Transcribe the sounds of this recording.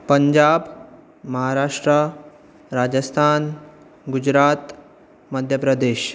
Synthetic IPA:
pəɲd͡ʑaːb | məɦaɾaːʂʈɾə | ɾad͡ʑəst̪ʰaːn | ɡud͡ʑɾat̪ | məd̪ʱjəpɾəd̪eːɕ

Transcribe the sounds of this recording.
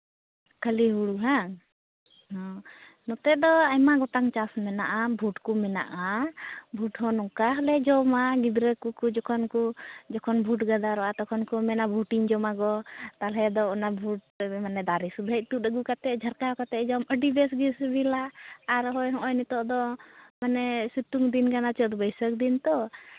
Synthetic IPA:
kʰəliɦuɽuɦa | hɔ̃ | nɔt̪ɛd̪ɔajmaɡɔt̪aŋt͡ʃasmɛna̰ʔabʱuʈkumɛna̰ʔabʱuʈɦɔnɔkaɦɔlɛd͡ʒɔmaɡid̪ɾəkukud͡ʒɔkʰɔnkud͡ʒɔkʰɔnbʱuʈɡad̪aɾɔat̪ɔkʰɔnkumɛnabʱuʈiŋd͡ʒɔmaɡɔt̪alɛd̪ɔɔnabʱuʈ̚ | manɛd̪aɾisud̪ʱəc̚t̪uəɡukat̪ɛʔd͡ʒʱəɾkaɔkat̪ɛd͡ʒɔməɖibɛsɡisbilaːɾɦɔjɦɔʔɔjnit̪ɔʔd̪ɔmanɛsit̪uŋd̪inkanat͡ʃəd̪ɔbəjsək̚d̪int̪ɔ

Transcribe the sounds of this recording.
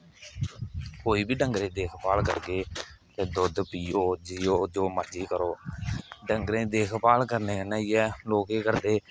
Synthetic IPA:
koːiːbiːɖəŋɡɾẽːd̪eːkʰpaːlkə̰ɾɡeːt̪eːd̪ʊd̪piːoːd͡ʒiːoːd͡ʒoːməd͡ʒiːkəɾoː | ɖəŋɡɾẽːd̪eːkʰpaːlkəɾneːənaːiːɛːloːkeːkəɾd̪eː

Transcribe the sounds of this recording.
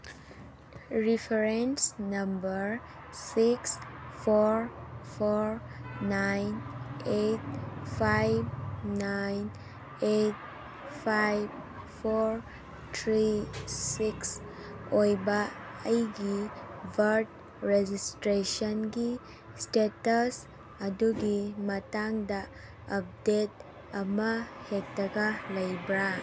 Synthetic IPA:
ɾipʰeɾensnʌmbəɾ | sikspʰoɾɹpʰoɾɹnajnet̚pʰajbnajn | et̚ | pʰajb | pʰoɾ | tʰɾisiks | ojbaəjɡibʱəɾt | ɾed͡ʒistɾesənɡi | stetəs | ɐduɡimɐtaŋda | əp̚det̚ | ɐmɐhek̚tɐɡalɐjbɾa

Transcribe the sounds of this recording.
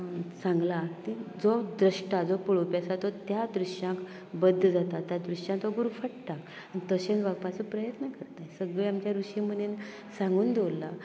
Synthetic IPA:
sãŋɡlat̪id͡zɔd̪ɾəʂʈad͡zɔpəɭopjasat̪ɔt̪jad̪ɾuɕjãk | bəd̪ʱːəd͡zat̪at̪jad̪ɾuɕãt̪ɔɡuɾufəʈt̪a | anit̪əɕẽnʋaɡpat͡səpɾəjət̪nəkəɾt̪asəɡɭeamt͡ɕjaɾuɕĩm̤ənen | sãŋɡuːnd̪ewlːa

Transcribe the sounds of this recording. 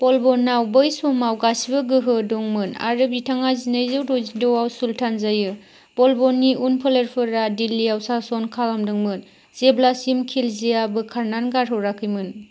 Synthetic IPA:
pɔlbɔnːawbɯjsɔmawɡasibɯɡɯɦɯdɔŋmɯna̰ɾɯbitʰaŋazinejzɯwɾozidɔwawsultʰanzajɯ | pɔlbɔnːiunpʰɯleɾpʰɯɾadilːiawsasɔnkʰalamdɯŋmɯn | z̥eblasimkʰilziabɯkʰaɾnanɡaɾɦɔwɾakʰɯjmɯn

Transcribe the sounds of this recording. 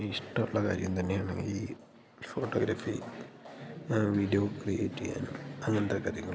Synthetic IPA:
iʂʈɐmuɭːɐka̰ːɾjɐ̰mt̪ɐnːe̞jaːɳḛŋɡḭliː | fo̞ːʈːoːɡɾafḭ | ʋidijokrijḛːʈːija̰nuɐŋːɐnet̪ekːɐd̪ʱijɐŋːɐ

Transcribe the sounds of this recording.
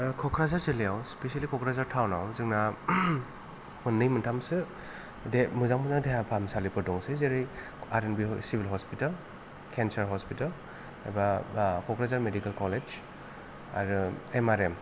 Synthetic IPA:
kʰɔkʰɾazaɾzilijawspesialikʰɔkʰɾazaɾtʰawnawzɯŋna | mɯnːɯjmɯntʰamsɯ | demɯzaŋmɯzaŋdeɦapʰamsalipʰɯdɔŋsɯzeɾɯj | aɾenbisibʱilɦɔspital | kʰɛnsaɾɦɔspital | a̰bakʰɔkʰɾazaɾmedikalkɔlez | a̰ɾemaɾem

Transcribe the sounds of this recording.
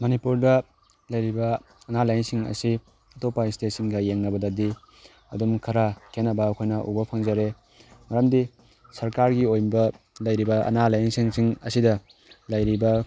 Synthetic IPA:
mɐnipuɾdɐ | lɐjɾibɐː | nalajnsiŋɐ̰si | ɐtopːaistetsiŋɡɐjeŋnɐbɐdɐdi | ɐ̰dumkʰɐɾakʰenːɐbɐːkʰojnɐʔṵɡopʰaŋzaɾe | mɐɾamdi | sɐɾkaɾɡiojmbɐ | lɐjɾibɐʔɐ̰nalajŋsiŋsiŋɐ̰sidɐ | lɐjɾibɐ

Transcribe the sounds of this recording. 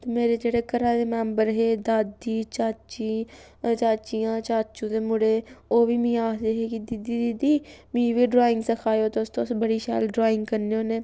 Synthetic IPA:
t̪emeːɾeːd͡ʒeːɽeːkəɾãːd̪eːmɛːmbəɾɦeːd̪aːd̪iːt͡ʃaːt͡ʃiː | t͡ʃaːt͡ʃijãːt͡ʃaːt͡ʃũːd̪eːmʊɽeːoːʋiːmĩːaːsd̪eːɦeːkid̪id̪iːd̪id̪iːmĩːʋiːɖɾoːɪ̃ŋɡsəkʰaːjoːt̪eʊst̪õːsbəɽiːʃa̰ːlɖɾaːɪ̃ŋɡkəɾneːoːneː

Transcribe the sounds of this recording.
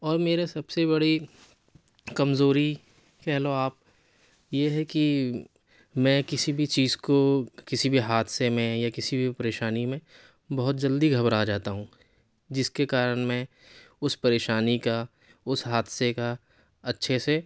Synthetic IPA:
ɔːɾmeːɾesɐbsebɐɽi | kɐmzoːɾi | kɛɦloaːp̚ | jeɦɛki | mɛ̃kɪsibʱit͡ʃiːzkokɪsibʱiɦaːd̪semẽjakɪsibʱipɐɾeːʃaːnimẽ | bɐɦʊt̪̚d͡ʒɐld̪iɡʱɐbɾaːd͡ʒaːt̪aɦũ | d͡ʒɪskekaːɾəɽ̃mẽ | ʊspɐɾeːʃaːnika | ʊsɦaːd̪seka | ɐtːʃʰese

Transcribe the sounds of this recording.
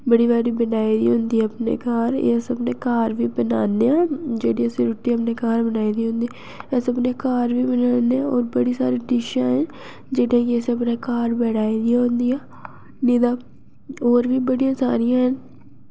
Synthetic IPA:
bəɽiːbaːɾiːbənaːid̪ḭːɦʊ̃nd̪iːɛəpnḛːkaːɾḛsəpneːkaːɾʋiːbənaːneːaːd͡ʒeːɽiəseɾʊʈːiəpneːkaːɾbənaːid̪iɦʊ̃nd̪i | ɛːseəpneːkaːɾʋiːbənaːneɔːɾbəɽiːsa̰ːɾiːɖɪʃãːɦɛn | d͡ʒeːɽiãːkiɛːseəpnaːkaːɾbɛːɽaːid̪ijãːɦʊ̃nd̪iːɛː | niːd̪aː | oːɾʋiːbəɽijãːsa̰ːɾijãːɦən

